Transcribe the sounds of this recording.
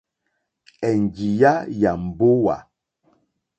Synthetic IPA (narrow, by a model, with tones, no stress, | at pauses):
ɛ˨n˨d͡ʒi˨ja˦ja˨m̩˨bo˦wa̰˨